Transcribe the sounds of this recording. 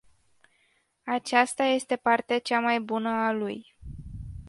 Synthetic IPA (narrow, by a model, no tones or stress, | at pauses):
at͡ʃast̪aje̞st̪e̞part̪eat͡ʃamajbunəaluj